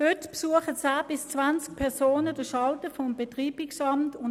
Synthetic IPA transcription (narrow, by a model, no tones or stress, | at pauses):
hʏtpsuəχət͡saːb̥ɪst͡svant͡sk̚pʰɛɐʁsoːnəd̥əʃɑltəfɔmbɛtʁiːb̥ɪksɑmtʊn